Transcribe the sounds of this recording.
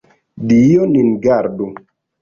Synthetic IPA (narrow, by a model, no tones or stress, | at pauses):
dijoninɡaɾdu